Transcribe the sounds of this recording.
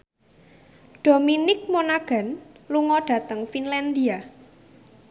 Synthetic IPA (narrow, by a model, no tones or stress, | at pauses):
ɖ̥o̤minɪk̚monaɡ̥a̤nluŋɔɖ̥ä̤t̪əŋfinland̪ia